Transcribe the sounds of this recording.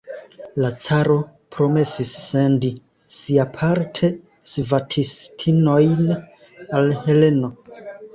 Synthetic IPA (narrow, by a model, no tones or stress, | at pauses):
lat͡saɾo̞ | pɾo̞me̞sisːe̞ndi | siapʰaɾtʰe̞ | svatʰistʰino̞jn | alhe̞le̞no̞